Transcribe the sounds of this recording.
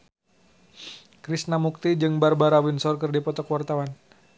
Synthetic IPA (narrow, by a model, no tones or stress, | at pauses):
kɾisnamuk̚t̪id͡ʒɨŋbarbaɾawinsɔrk̬ɨrdipɔt̪ɔkwart̪awan